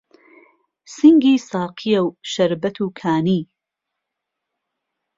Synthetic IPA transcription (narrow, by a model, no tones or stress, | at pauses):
sɨŋɡiːsaːqʰijɐwʃɐɾbɐt̪ʰuːkʰaːniː